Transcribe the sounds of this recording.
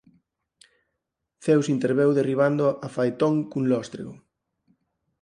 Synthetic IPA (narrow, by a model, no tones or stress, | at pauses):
θewsint̪eɾβewðeriβ̞and̪ʊafajt̪õŋkunlɔst̪ɾḛɣo